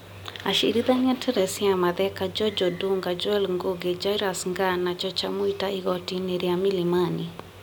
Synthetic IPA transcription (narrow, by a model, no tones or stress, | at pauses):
aʃiɾiðaɲɛtʰɛɾɛsiamaðɛkad͡ʒɔd͡ʒɔduŋɡad͡ʒɔɛlŋɡoɡɛd͡ʒajɾasŋɡanat͡ʃɔt͡ʃamuitaiɡɔtinɛɾiamilimani